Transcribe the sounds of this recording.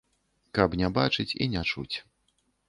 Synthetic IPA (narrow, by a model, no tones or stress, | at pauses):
kɐpnʲabat͡ʂɨt͡sʲḭnʲat͡ʂṵt͡sʲ